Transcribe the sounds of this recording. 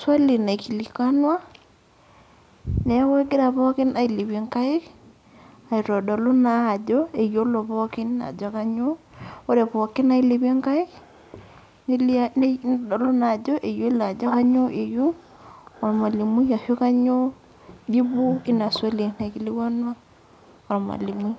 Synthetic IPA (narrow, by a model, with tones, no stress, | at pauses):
swa˦li˨na˨i˨ki˨li˨ka˦nwa˦ | ne˨˦we˦ɡɪ˦ɾa˨βɔ˦kɪ˦na˨i˨li˨βe˨˦ŋka˦ɪ˦k | a˨i˨ɾɔ˨dɔ˨lo˦na˦˨d͡ʒɔ˦e˨jo˦lo˨βɔ˦kɪ˦na̰˨d͡ʒɔ˦ka˦ɲo˦ | o˦ɾe˨pɔ˨kɪ˦na˦i˦li˨βe˦ŋka˦ɪ˦k | ni˦ln˦dɔ˨lo˦na˨d͡ʒɔ˦ʔe˨jo˦la˨d͡ʒɔ˦ka˦ɲo˦ʔe˨ju˦ | ɔ˨ma˨li˨mi˦ja˨ho˦ka˦ɲo˦ | di˦bu˦i˦na˨swa˦le˨na˨ki˦li˦wa˦nwa˦ | ɔ˨ɾma̰˨li˨mwi˦